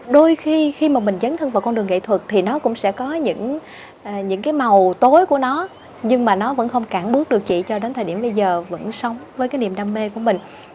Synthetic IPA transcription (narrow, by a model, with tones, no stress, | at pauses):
ɗo˧jxi˧xi˧maː˨˩mï˨˩ŋ̟zə˨˦nt̪ʰə˧nva˨˩wkɔ˧nɗɨ˨˩ŋḛ˧˨t̪ʰwə˨˩t̚t̪ʰi˨˩nɔ˨˦kʊ̰˧˥ŋ͡msɛ̰˧˥kɔ˨˦ɲɨ̰˧˥ŋ | ʔːɲɨ̰˧˥ŋkaː˨˦jma˨˩wt̪o˨˦jku˧˩ənɔ˨˦ | ɲɨ˧ŋmaː˨˩nɔ˨˦və̰˧˥nxə˧wŋ͡mkaː˧˩nɓɨ˦˥ək̚ɗɨ˨˩ək̚t͡ɕḭ˧˨t͡ɕɔ˧ɗe˨˦nt̪ʰəː˨˩ɗi˧˩əmɓə˧jzəː˨˩və̰˧˥nsə˨˦wŋ͡mvəː˨˦jkaː˨˦jni˧˩əmɗaː˧mme˧ku˧˩əmï˨˩ŋ̟